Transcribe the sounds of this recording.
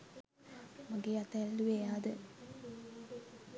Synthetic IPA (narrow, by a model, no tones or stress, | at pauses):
maɡeat̪ɛlːuʋejaːd̪ə